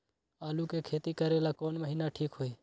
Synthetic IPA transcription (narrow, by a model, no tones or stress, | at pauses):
aːlukekʰeːt̪ikəɾelaːkoːnməɦiːnaʈʰiːkɦoːiː